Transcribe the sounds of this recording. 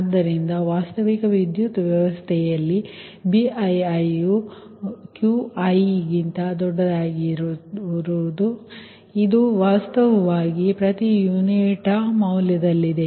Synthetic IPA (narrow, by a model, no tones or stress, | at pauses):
ɐd̪ːɐɾind̪ɐʋaːst̪ɐʋikɐʋid̪jut̪ʋjɐʋɐst̪ʰɛjɐlːi | biɐjɐju | kjuɐjɡint̪ɐd̪ɔɖːɐd̪aːɡiɾɾud̪u | id̪uʋaːst̪ɐʋɐʋaːɡipɾɐt̪ijuniʈɐmɐwljɐd̪ɐlːid̪e̞